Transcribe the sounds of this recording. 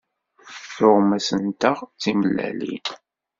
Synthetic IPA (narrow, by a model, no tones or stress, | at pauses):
θʊʁmæsənt̪əʁt͡siməlːæ̰lḭn